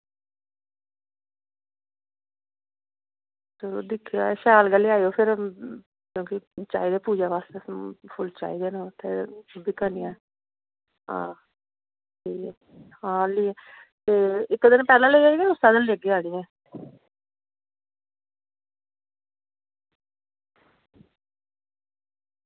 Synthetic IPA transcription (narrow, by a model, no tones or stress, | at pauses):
səlo̰ːd̪ɪkʰːiaːɛʃaːlɡəlːeːaːioːpʰɪɾ | kjõːkit͡ʃa̰ːiːd̪eːpuːd͡ʒaːʋaːst̪epʰʊlt͡ʃa̰ːiːd̪eːnət̪eːd̪ɪkaːniːã | ɦã̰ː | iː | hãːliːɛ̃t̪eːɪkːd̪ɪnpɛːlãːleːɡaːɡẽʊst̪aːd̪ɪnleːɡeːaːɽiːɛ̃ː